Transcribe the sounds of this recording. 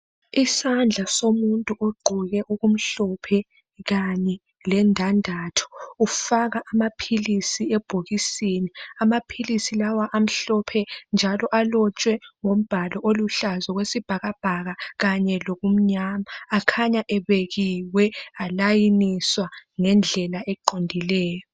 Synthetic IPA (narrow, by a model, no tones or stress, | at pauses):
isand͡ɮʱasomuntʼuʔoɡ͡ǃʱuɣɛʔuɣum̩ɬɔpʰɛ | ɣaɲɛ | lɛndʱandʱaːtʰɔ̥ufaɣaʔamapʰilisiɛb̥ʱoɣisiniamapʰilisilawaʔam̩ɬɔpʰɛnd͡ʒʱalɔʔalɔt͡ʃʼwɛŋom̩b̥ʱalɔʔoluɬazɔɣwesib̥ʱaɣab̥ʱaɣaɣaɲɛloɣum̩ɲamaːkʰaɲaʔɛβeɣiwɛalajiniswaŋɛnd͡ɮʱɛlaʔɛǃondʱilɛːjɔ